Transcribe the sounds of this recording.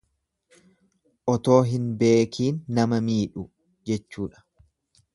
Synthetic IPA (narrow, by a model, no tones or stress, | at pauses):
ʔɔt̪o̞ːɦɪnbe̞ːkʰiːnːɐmɐmiːᶑʊ | d͡ʒɛt͡ʃːuːᶑɐ̥